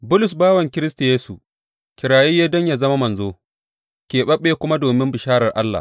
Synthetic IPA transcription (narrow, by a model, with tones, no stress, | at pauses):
bʊ˦lʊ˨sbaː˦wɐ˨ŋkʲɪ˦ɾɪ˦sta˨jeː˦sṵ˨ | kʲɪ˨ɾaː˨jiː˦jaː˦dɔ˦ɲjaː˨zɐ˦ma˦mɐ˨nzoː˦ | kʲeː˨ɓɐ˦ɓːeː˨kʷʊ˦ma˦doː˨mɪ˦mbɪ˨ʃaː˦ɾɐ˨rʔa˦lːa̰˨